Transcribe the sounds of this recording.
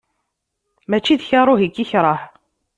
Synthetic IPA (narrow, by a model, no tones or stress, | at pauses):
mæt͡ʃːiðçɑɾˤoɦikːiçɾˤɑħ